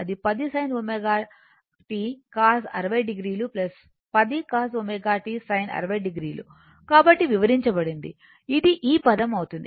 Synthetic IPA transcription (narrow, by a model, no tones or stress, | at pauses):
ɐd̪ipɐd̪isɐjnomeːɡaː | ʈikaːsɐ̰ɾɐʋɐjɖiɡɾiːluplɐs | pɐd̪ikaːs̬ʋomeːɡaːʈisɐjnɐ̰ɾɐʋɐjɖiɡɾiːlṵ | kaːbɐʈːiʋiʋɐɾiɲt͡ʃɐbɐɽind̪ḭ | id̪iʔiːpɐd̪ɐmɐwut̪und̪i